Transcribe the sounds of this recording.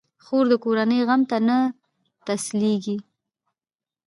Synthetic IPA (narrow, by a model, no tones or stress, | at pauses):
xoɾd̪əkoɾanəjɣamt̪ana | t̪asleɡi